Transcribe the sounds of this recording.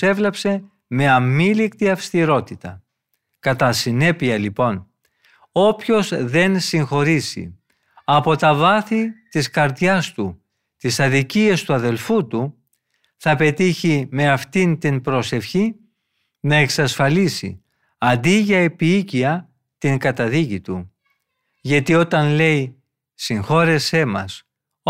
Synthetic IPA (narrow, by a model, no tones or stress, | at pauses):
e̞vle̞pse̞ | me̞ɐmilikt̪iɐfst̪iɾo̞t̪it̪ɐ̰ | kɐt̪ɐsine̞piɐlipo̞n | o̞pço̞zðe̞nsiŋxo̞ɾisḭ | ɐpo̞t̪ɐvɐθit̪iskɐɾðʝɐst̪u | t̪isɐðiciest̪uɐðe̞lfut̪u | θɐpe̞t̪içime̞ɐft̪int̪inpɾo̞se̞fçi | nɐe̞ksɐsfɐlisḭ | ɐnd̪iʝɐe̞piiciɐ | t̪iŋɡɐt̪ɐðicit̪u | ʝɐt̪io̞t̪ɐnle̞i | siŋxo̞ɾe̞se̞mɐ̰s